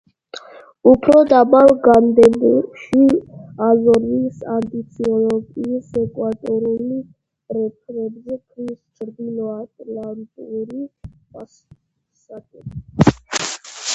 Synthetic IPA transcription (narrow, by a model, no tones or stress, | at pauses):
upʰɾɔd̪abalˠɡand̪ɛbuʃiazɔɾisant̪ʼit̪sʰiɔlɔɡiːsɛkʼwat̪ʼɔɾuli | ɾɛpʰɾɛbzɛkʰɾist͡ʃʰɾd̪ilɔat̪ʼlant̪ʼuɾipʼas | sakʼɛ